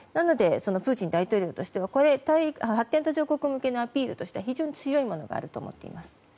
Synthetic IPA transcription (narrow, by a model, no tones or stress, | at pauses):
nano̞d̪e̞so̞no̞ɸɯ̟ːt͡ɕĩnd̪ait̪o̞ːɾʲo̞ːt̪o̞ɕi̥t̪e̞β̞ako̞ɾe̞t̪aiɦat̪ːe̞nt̪o̞ʑo̞ːko̞kɯmɯ̟ke̞noapʲiːɾɯ̟t̪o̞ɕi̥t̪eaçiʑo̞ːɲ̟it͡sɨjo̞imo̞no̞ɡa̰ːɾɯ̟t̪o̞̰ːmo̞̰t̪ːe̞̰ḭmasɨ̥